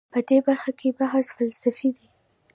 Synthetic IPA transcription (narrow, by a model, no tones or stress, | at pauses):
pəd̪ebaɾxakʰebaɦazfalsafid̪i